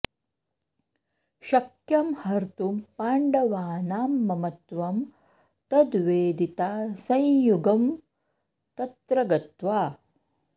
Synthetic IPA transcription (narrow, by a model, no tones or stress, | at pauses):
ʃɐkjɐmhɐɾt̪upaːɳɖɐʋaːnaːmːɐmɐt̪ʋɐm | t̪ɐd̪ʋeːd̪it̪aːsɐ̃jjuɡɐm | t̪ɐt̪ɾɐɡɐt̪ʋaː